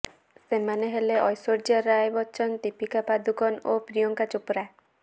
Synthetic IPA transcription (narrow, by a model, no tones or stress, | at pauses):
semaneɦeleʔɔjsoɾd͡ʒaɾajbɔt͡ʃʰɔnt̪ipikapad̪uɡɔnopɾijɔŋkat͡ʃupɾae